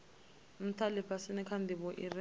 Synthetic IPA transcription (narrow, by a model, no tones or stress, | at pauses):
m̩t̪ʰalɛpʰasinɛkʰandiβɔʔirɛ